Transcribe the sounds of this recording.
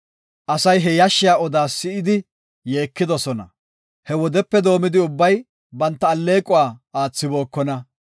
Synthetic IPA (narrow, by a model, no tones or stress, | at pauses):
ʔɐsɐjɦɛjɐʃːɪjaːɔd̪aːsːɪʔɪd̪ɪ | je̞ːkːɪd̪ɔsɔnɐ̰ | hɛwɔd̪ɛpːɛd̪o̞ːmɪd̪ɪʊbːɐj | bɐnt̪ːɐːlːe̞ːkʼʊwaːaːt͡sːɪbo̞ːkːɔnɐ